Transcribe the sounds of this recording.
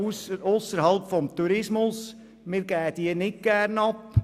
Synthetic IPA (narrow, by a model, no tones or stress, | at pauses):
sosːəɾɦɑlˠpfɔmt̪uɾɪsmʊs | mɪːɾɡ̥æːəd̪̥iənɪt̚ɡ̥ærnɑp